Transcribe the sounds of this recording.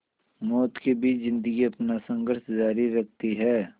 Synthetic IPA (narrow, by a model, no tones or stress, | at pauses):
mɔːt̪kebʱiːt͡ʃzɪ̃nd̪əɡiɐpnasɐ̃ŋɡəɾʃd͡ʒaːɾiːɐk̚ʰt̪iɦɛː